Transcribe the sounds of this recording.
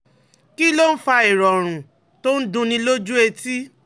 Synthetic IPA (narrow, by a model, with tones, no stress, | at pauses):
ki˦lo˦n̩˦fa˧e˨ɾɔ˨ɾ̃ũ˨ | to˦n̩˦dũ˧˦nĩ˧lo˦d͡ʒu˦e˧ti˦